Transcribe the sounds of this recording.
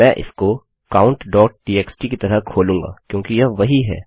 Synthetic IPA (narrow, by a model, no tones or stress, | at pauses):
mɛ̃ːʔɪ̰sko | kaːʊ̃ɳʈɖɔːʈ̚ʈiːeːksʈikit̪ɐɾəkʰoːlũːŋɡa̰ːkjõːkijɐʋɐɦiɦɛ̰ː